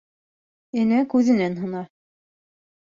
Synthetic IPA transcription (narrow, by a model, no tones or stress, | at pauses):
ɘ̆nækʉðɘ̆nænɦɤ̆nɑ